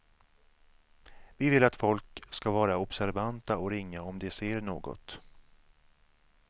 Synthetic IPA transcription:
vɪvɪlːat̪fɔlkskavɑːɾaɔpsæɾvant̪aɔɾɪŋːaɔmd̪ɛseːɾɳo̰ːɡɔ̰t̪

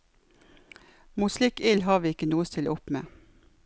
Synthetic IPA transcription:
muːslɪkɪlhɑːʋiːɪkənuːəst̪ʰɪlʔʊpmḛː

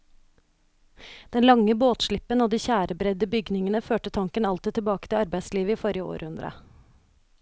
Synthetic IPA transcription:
d̪̥ɛnlɑŋəboːt̪ʃɭɪpənoːd̪iːçæːɾʔəbɾɛd̪əbʏɡnɪŋənəføːʈət̪ʰɑŋkənɑlt̪ɪt̪ʰɪlbɑːkət̪ɪlɑɾbæɪsliːʋəiːfɔɾɪəo̰ːɾʔhʉnd̪ɾʔə̰

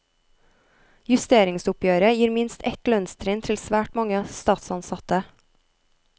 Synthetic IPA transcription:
jʉst̪eːɾɪŋsʊpjøːɾəjiːɾmɪnst̪ɛt̪lœnst̪ʰɾɪːnt̪ʰɪlsʋæːʈmɑŋəst̪ɑːt̪sɑnsɑt̪ə

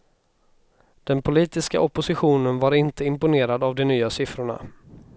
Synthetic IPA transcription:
d̪̥ɛnpʰʊliːt̪ɪska̰ʔɔpʊsɪɧuːnənvaɾɪnt̪əɪmpʊneːɾad̪avd̪ɛnyːasɪfɾʊɳa̰

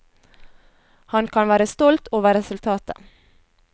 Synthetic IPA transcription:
hɑnkʰɑnʋæːɾəst̪ɔlt̪oːʋəɾɛsʉlt̪ʰɑːt̪ə

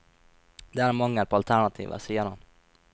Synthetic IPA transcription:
d̪ɛæːɾmɔŋːəɾpʰoːɑlt̪ʰæɳɑt̪ʰḭːʋʔə̰siːəɾhɑn

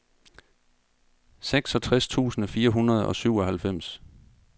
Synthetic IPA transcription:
seɡ̥sɒ̽t͡sʰʁast͡sʰṵːsn̩fiːɐɦunʁɐð̞ˠɒ̽syʊɒ̽hælfem̰s

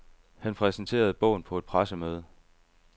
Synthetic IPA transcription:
hænpʰʁɛsn̩t͡sʰe̝̰ːɐð̞̩ˠb̥ɔ̽ʊ̰n̩pʰɒ̽ed̥̚pʰʁasəmøːð̞ˠə

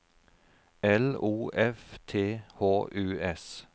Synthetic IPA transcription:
ɛluːʔɛft̪ʰeːhoːʔʉːɛs

